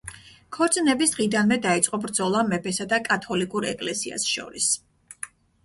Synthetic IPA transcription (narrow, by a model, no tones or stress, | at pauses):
kʰɔɾt̪sʼnɛbisd̪ʁid̪anmɛd̪ait̪sʼqʼɔbɾd̪zɔlˠamɛpʰɛsad̪akʼat̪ʰɔlikʼuɾɛkʼlɛsia̰sʃɔ̰ɾis